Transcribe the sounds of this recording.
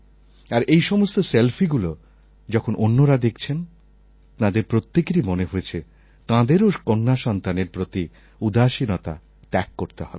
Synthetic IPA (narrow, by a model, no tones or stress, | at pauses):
aɾejʃɔmost̪oselfiɡulo | d͡ʑɔkʰonʔonːoɾad̪ekʰt͡ɕʰen | t̪ãd̪eɾpɾot̪ːekɾimoneɦojet͡ɕʰe | t̪ãd̪eɾokonːaʃɔnt̪aneɾpɾot̪i | ud̪aʃinɔt̪a̰ | t̪ɛkːoɾt̪eɦɔbe